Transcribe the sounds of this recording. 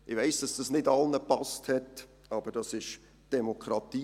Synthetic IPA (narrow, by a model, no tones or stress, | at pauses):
ʔɪʋɛɪsd̥ɑsd̥ɑsnɪdɑlnəpɑsthɛt | ɑb̥əɾd̥ɑsɪʃ | d̥ɛmokʰɾɑtiː